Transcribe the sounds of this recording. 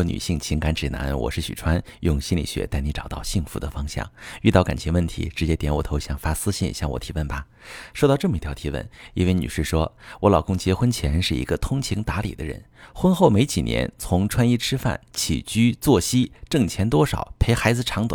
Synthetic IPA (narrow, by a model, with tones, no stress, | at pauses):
ny̰˨˩ɕi˥˩ŋt͡ɕʰi˧˥ŋka˧˥nʈ͡ʂɻ̩˨˩na̰˧˥nwɔ̰˨˩ʂɻ̩˥˩ɕy̰˨˩ʈ͡ʂʰwa˥njʊ˥˧ŋɕi˥nlḭ˨˩ɕɥɛ̰˧˥t̪a˥˩ɪni˧˥ʈ͡ʂɑ˨˩ʊt̪ɑ̰˥˧ʊɕi˥˩ŋfu˧˥d̪ə˧fɑ˥ŋɕjɑ̰˥˩ŋy˥˧t̪ɑ˥˩ʊka̰˨˩nt͡ɕʰjɛ˧˥nwə˥˩nt̪ʰḭ˧˥ʈ͡ʂɻ̩˧˥t͡ɕjɛ˥t̪jɛ˧˥nwɔ̰˨˩t̪ʰo˧˥ʊɕjɑ˥˩ŋfa˥sɹ̩˥ɕḭ˥˧˩nɕjɑ˥˩ŋwɔ̰˨˩t̪ʰi˧˥wə˥˩nbɐ˩ | ʂo˥˧ʊɑ˥˧ʊʈ͡ʂɤ˥˩mə˧i˧˥tʰjɑ˧˥ʊt̪ʰi˧˥wə̰˥˩ni˥nwe˥˩ny̰˨˩ʂɻ̩˥˩ʂwɔ˥wɔ˧˥lɑ˨˩ʊkʊ˥ŋt͡ɕjɛ˧˥xwə˥nt͡ɕʰjɛ˧˥ʂɻ̩˥˩ḭ˧˥ɡə˧t̪ʰʊ˥ŋt͡ɕʰi˧˥ŋt̪a˧˥lḭ˨˩d̪ə˦ɻə̰˧˥nxwə˥nxo˥˩ʊme˧˥ɪt͡ɕi˨˩njɛ̰˧˥nt͡sʰʊ˧˥ŋʈ͡ʂʰwa˥ni˥˩ʈ͡ʂʰɻ̩˥fa̰˥˩nt͡ɕʰḭ˨˩t͡ɕy˥t͡swɔ˥˩ɕi˥ʈ͡ʂɤ˥˩ŋt͡ɕʰjɛ˧˥nt̪wɔ˥ʂɑ˨˩˦ʊpʰe˧˥ɪxa˧˥ɪd͡zɹ̩˧ʈ͡ʂʰɑ˧˥ŋt̪wa̰˨˦